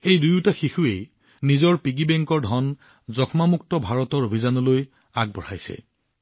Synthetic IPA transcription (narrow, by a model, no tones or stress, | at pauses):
ejdujtaxixuej | nizɔɹpiɡibɛŋkɔɹdʱɔn | zɔkʰmamuk̚tɔbʱaɹɔtɔɹobʱizanɔloj | aɡ̚bɔ̰ɹa̰jsɛ̰